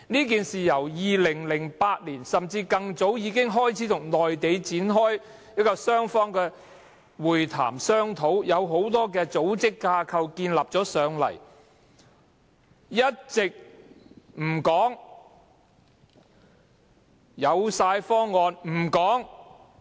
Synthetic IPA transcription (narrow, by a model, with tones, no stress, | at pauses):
niː˥k̬iː˨nsiː˨jɐ˨˩wjiː˨˧lɪ˨˩ŋlɪ˨˩ŋpaː˧t̚liː˨˩nsɐ˨mt͡siː˧kɐ˧ŋt͡so˨˥wjiː˨˧kɪ˥ŋɦɔː˥jt͡sʰiː˨˥t̪ʰʊ˨˩ŋlɔː˨jt̪e˨˧jt͡siː˨˥nɦɔː˥j | niː˥kɔː˧sœː˥ŋfɔː˥ŋkɛː˧ | wuː˨˩jt̪ʰa̰ː˨˩msœː˥ŋt̪ʰo˨˥wjɐ˨˧wɦo˨˥wt̪ɔː˥kɛː˧t͡so˨˥wt͡sɪ˥kːaː˧kʰɐ˧wkiː˧nlaː˨p̚t͡sɔː˨˥sœː˨˧ŋlɐ̰˨˩j | jɐ˥t̚t͡sɪ˨k̚ | m̩˨˩kɔː˨˥ŋ | jɐ˨˧wsaː˧jfɔː˥ŋːɔː˧nm̩˨˩kɔː˨˥ŋ